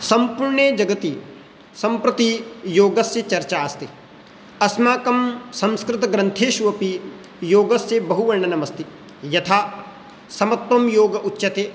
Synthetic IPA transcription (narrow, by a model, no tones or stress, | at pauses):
sɐmpuɾɳeːd͡ʒɐɡɐt̪i | sɐmpɾɐt̪ijoːɡɐsjɐt͡ʃɐɾt͡ʃaːst̪i | ɐsmaːkɐmsɐ̃mskɾɪt̪ɐɡɾɐ̃nt̪ʰeːʃuʋɐpi | joːɡɐsjebɐɦuʋɐɾɳɐnɐmɐst̪i | jɐt̪ʰaː | sɐmɐt̪wɐmjoːɡɐʔutːʃɐt̪eː